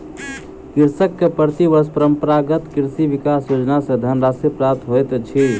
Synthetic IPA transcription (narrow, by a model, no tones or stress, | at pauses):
kiɾsəkːepəɾt̪ibəspəɾəmpəɾaɡət̪kiɾsibikasjod͡ʒnasə̃d̪ʱənɾasipɾap̚t̪ɦojt̪t͡ʃʰi